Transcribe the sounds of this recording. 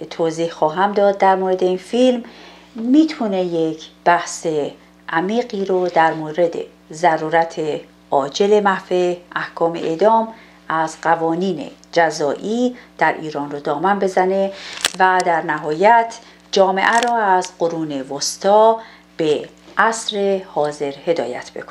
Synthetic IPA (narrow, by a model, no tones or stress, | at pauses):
t̪ʰoːziːhxɒːɦæmd̪ɒːd̪̚ːæɾmoɾe̞d̪e̞infilm | miːt̪ʰune̞jecʰb̥æhse | ʔæmiːɣɢiːɾod̪æɾmoːɾe̞d̪e̞̰ | zæɾuːɾæt̪ʰe | ʔɒːd͡ʒe̞le̞mæhfeʔæhkʰɒːmḛʔed̪ɒːm | æzɢævɒːniːne̞̰d͡ʒæzɒːʔiːd̪̥æɾʔiːɾɒːnrod̪ɒːmænbe̞zæne̞væd̪æɾnæɦɒːjæt̪ʰ | d͡ʒɒːme̞̰ʔæɾɔːæzɢo̞ɾuːne̞vost̪ʰɒː | b̥e | ʔæsɾehɒːze̞ɾhe̞d̪ɒ̰ːjæ̰t̪ʰb̥e̞kʰo̥ne